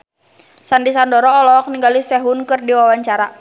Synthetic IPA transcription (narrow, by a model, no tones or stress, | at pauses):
sandisandɔɾɔːlɔk̚niŋɡalisɛɦunkɨrdiwawaɲt͡ʃaɾa